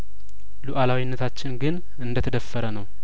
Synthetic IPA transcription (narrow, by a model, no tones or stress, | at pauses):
luʔalawinːət̪ʰat͡ʃːɪnɡɨn | ɨnd̪ət̪ʰəd̪əfːəɾənəw